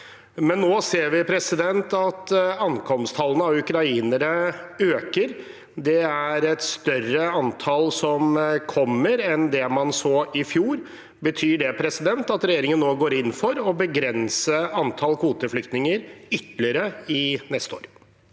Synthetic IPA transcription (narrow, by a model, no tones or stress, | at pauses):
mɛnːoːseːɾʋɪpʰɾɛsɪd̪ɛnt̪ɑt̪ɑnkʰɔmst̪hɑlənəɑʋʉkɾɑiːnəɾəøːkəɾ | d̪ɛæɾɛt̪st̪œrəɑnt̪ʰɑlsɔmkʰɔmːəɾɛnd̪ɛmɑnsoːʔɪfjuːɾ | bət̪ʰyːɖɛpʰɾɛsɪd̪ɛnt̪ɑt̪ɾɛjeːɾɪŋənːoːɡoːɾɪnːfɔɾɔbəɡɾɛnsəɑnt̪ʰɑlkʰuːt̪əflʏkt̪nɪŋəɾʏt̪lɪəɾəɪnɛst̪o̰ːɾ